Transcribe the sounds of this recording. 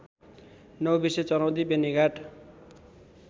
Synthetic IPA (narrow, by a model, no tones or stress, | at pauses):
nʌwbiset͡sʌɾawd̪ibeniɡaʈ